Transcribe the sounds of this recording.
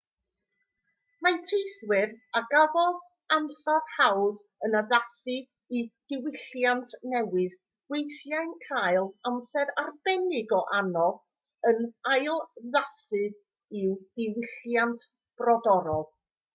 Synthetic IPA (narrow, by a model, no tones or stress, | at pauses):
matʰejθwɪɾaɡavɔð | amsar̥hawð | ənaðasɨ | id̥ɪwɪɬjantʰnɛwɪð | wejθjajnkʰajlˠamsɛɾarb̥ɛnɪɡɔʔanɔð | ənajlˠðasɨ | ɪwd̥ɪwɪɬjantʰ | b̥rɔdɔɾɔlˠ